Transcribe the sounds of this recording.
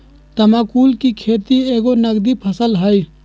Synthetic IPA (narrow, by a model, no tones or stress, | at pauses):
t̪əmaːkuːlkikʰeːt̪ieːɡonəɡd̪ipʰəsəlɦəi